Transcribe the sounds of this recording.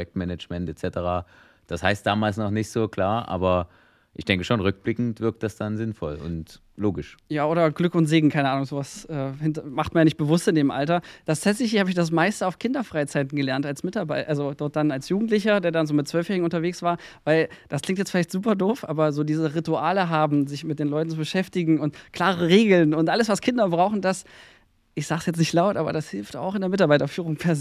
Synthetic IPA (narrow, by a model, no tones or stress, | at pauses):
jɛk̚tmɛnət͡ʃmɛntɛt͡sɛtəʁaː | d̥ashaɪstd̥aːmaːlsnɔχnɪçtz̥oːkl̥aːɐʔa̰ːbɐ | ʔɪ̰çd̥ɛŋkəʃoːnʁʏk̚b̥lɪkŋ̩tv̥ɪɐk̚t̚d̥asd̥anzɪnfɔlʊ̰nt | loːɡɪʃjaːʔoːɾɐɡlʏkʊntz̥eːɡŋ̩kʰaɪnəʔaːnʊŋzoːvasʔɛːhɪntɐmaχtmanjaːnɪçt̚b̥əvʊstɪndeːmʔa̰ltɐd̥astɛsɪçəhaːbɪçd̥as̬maɪstəaʊfkʰɪndɐfʁ̥aɪt͡saɪtn̩ɡəlɛɐntalsmɪtaɐbaɪʔalzod̥ɔɐt̚d̥analsjuːɡŋ̩tlɪçɐdeːɐdanzoːmɪt̚t͡sv̥œlfjɛːʁɪɡŋ̩ʊntɐveːksv̥aːɐvaɪld̥asklɪŋktjɛt͡sfɪlaɪçtz̥uːpɐdoːfʔa̰ːbɐzoːdiːzəʁituaːləɦaːbm̩zɪçmɪt̚d̥eːnlɔʏtn̩t͡subəʃɛftɪɡŋ̩ʊntkʰl̥aːʁəʁəʁeːɡl̩nʊntʔaləsv̥askʰɪndɐbʁaʊxn̩das | ʔɪçz̥aːɡsjɛt͡snɪçtlaʊtʔaːbɐ̰dashɪlfta̰ʊxɪndeɐmɪtaɐbaɪtɐfyːʁʊŋpʰɛɐz